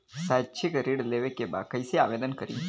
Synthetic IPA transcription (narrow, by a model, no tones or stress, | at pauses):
saʃʰekɾeɽleʋekeba̰kəiseaʋed̪ənkəɾḭ̃